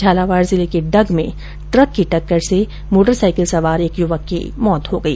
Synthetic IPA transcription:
d͡ʒʰʱaːlaʋaːɾzɪlekeɖɐɡmḛ̃ | ʈɾɐkːiʈɐkːəɾse | moːʈəɾsaːɪkəlsɐʋaːɾeːkjʊʋəkːḭmɔːt̪ɦoɡɐḭː

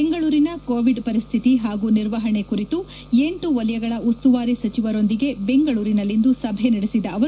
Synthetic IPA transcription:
eŋɡɐɭuːɾinɐkoːʋiɖpɐɾist̪ʰit̪iɦaːɡuniɾʋɐɦɐɳe̞kuɾit̪u | e̞ɳʈuʋɐlɐjɐɡɐɭɐʔust̪uʋaːɾisɐt͡ʃiʋɐɾo̞nd̪iɡe̞be̞ŋɡɐɭuːɾinɐlːind̪usɐbʱenɐɽesid̪ɐːʋɐ

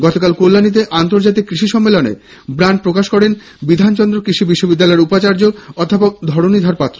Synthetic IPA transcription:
ɡɔt̪okalkolːanit̪̬eʔant̪oɾd͡ʑat̪̬ikːɾiʃiʃɔmːelonḛ | bɾanʈ̚pɾokaʃkɔɾen | bid̪ʱant͡ɕɔnd̪ɾokɾiʃibiʃːobid̪ːalɔeɾupat͡ɕaɾd͡ʑoɔd̪ʱːapok̚d̪ʱɔɽonid̪ʱaɾpat̪ːɾo

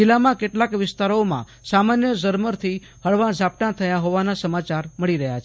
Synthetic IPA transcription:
d͡ʒilːamãkeʈlakʋɪst̪aɾomã̰ | samanjəd͡ʒəɾməɾt̪ʰi | həɭʋãd͡ʒap̚ʈãt̪ʰəjaɦoʋanasəmat͡ʃaɾməɭiɾəɦjat͡ʃʰe

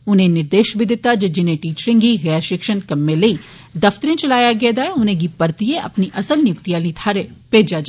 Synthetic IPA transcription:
ʊn̤ẽnɪɾd̪eːʃbʱid̪ɪt̪ad͡ʒɐd͡ʒɪnẽʈiːt͡ʃɾɪ̃ŋɡiɣɛːɾʃɪkʃənkɐmːẽlɐi | d̪ɐft̪ɾẽt͡ʃɐlaːjaɡeːd̪aːɛʊnẽɡipɐɾt̪ijẽɐ̰pniʔɐsəlnɪjʊkt̪ijaːlĩt̪ʰaːɾepeːd͡ʒad͡ʒa

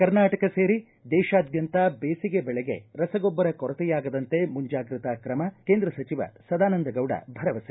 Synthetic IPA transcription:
kɐɾnaːʈɐkɐseːɾi | d̪ɛːʃaːd̪jɐnt̪abeːsiɡe̞bɛɭɛɡe̞̰ɾɐsɐɡɔbːɐɾɐkɔɾɐt̪ɛjaːɡɐd̪ɐnt̪e̞muɲd͡ʒaːɡɾɨt̪aːkɾɐmɐkeːnd̪ɾɐsɐt͡ʃiʋɐ̰sɐd̪aːnɐnd̪ɐɡɐwɖɐ̰bʱɐɾɐʋɐse

